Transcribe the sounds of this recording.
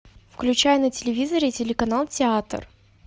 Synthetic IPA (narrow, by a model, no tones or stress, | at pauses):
fklʲʉt͡ɕæjɛnətʲɪlʲɪvʲizəɾʲɪtʲɪlʲɪkɐnalˠtʲɪat̪r